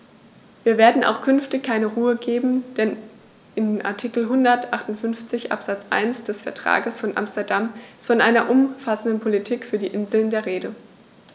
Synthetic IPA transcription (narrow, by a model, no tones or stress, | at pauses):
v̥iːɐveːɐdn̩a̰ʊxkʰʏnftɪçkʰːaɪnəʁuːəɡeːbm̩d̥ɛn | ʔɪmʔa̰ɐtʰikl̩ɦʊndɐtʔaχtʊntfʏnft͡sɪçʔa̰pz̥at͡sʔa̰ɪnsd̥ɛsfɛɐtʁ̥a̰ːɡəsfɔnʔa̰mstɐdamsfɔnʔaɪnɐʔʊmfasn̩dənpʰolitʰiːkfyːɐdiːʔɪnzl̩ndeːɐʁ̞eːdə